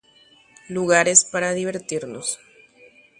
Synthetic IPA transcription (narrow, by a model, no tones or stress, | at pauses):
luɣaɾespaɾaðiβ̞e̞ɾt̪iɾnos